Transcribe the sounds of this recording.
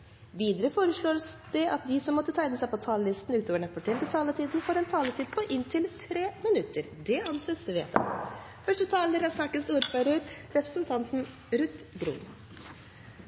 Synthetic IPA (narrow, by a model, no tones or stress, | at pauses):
ʋiːd̪əɾəfoːɾəʂɭoːɾsd̪̥ɛʔɑt̪̚d̪ɪsɔmːɔt̪ːət̪ʰæɪnəsæɪpɔt̪ʰɑːləlɪst̪n̩ʉːt̪oːʋəɳəpʰɔʈʰɛlt̪ɪt̪ʰɑːlət̪ʰiːd̪n̩foːɾɛnt̪ʰɑːlət̪ʰiːd̪̚pʰɔʔɪnt̪ʰɪlt̪ʰɾeːmɪnʉt̪ːəɾd̪ɛɑnseːsʋḛːt̪ʰɑ̰ | fœʂʈət̪ʰɑːləɾɑsnɑkːəst̪uːɾføɾəɾɾɛpɾəsnt̪ʰɑnt̪n | ɾʉt̪ɡɾṵːn